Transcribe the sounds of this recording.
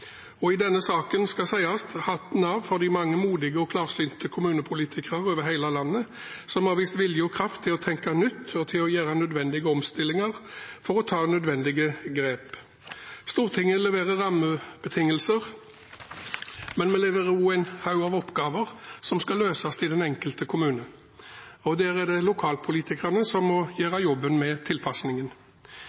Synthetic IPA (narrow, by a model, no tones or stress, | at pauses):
ɔɪd̪ɛnːəsɑːkənskɑsæɪɑst̪hɑt̪n̩ɑʋfɔʁd̪iɪmɑŋːəmuːd̪ɪɡəɔkʰlɑːʁsyːnt̪əkʰʊmʉːnəpʰʊliːt̪ʰɪkəʁəʁøːʋəʁhæɪlɑlɑnːə | sɔmhɑʁʋiːst̪ʋɪljəɔkʰʁɑft̪ʰːɪlɔt̪ʰɛŋkɑnʏt̪ːɔt̪ʰɪlɔjæːʁɑnœd̪ʋɛnd̪ɪɡəɔmst̪ɪlːɪŋəʁfɔʁɔt̪ʰɑːnœd̪ʋɛnd̪ɪɡəɡɾeːp | st̪uːʁt̪ʰɪŋːəlɛʋeːʁəʁɑməb̥ət̪ʰɪŋːəlsəʁ | mɛnmɛlɛʋəʁuːæɪnhɑʉɑʋɔpːɡɑːʋəʁsɔmskɑløːsɑst̪ʰɪd̪ɛnɛŋkəlt̪əkʰʊmʉːnə | ɔd̪æʁɛd̪ɛlʊkʰɑːlpʰʊliːt̪ɪkəʁnəsɔmːɔjæːʁɑjɔbːənmɛt̪ʰɪlpʰɑsnɪŋən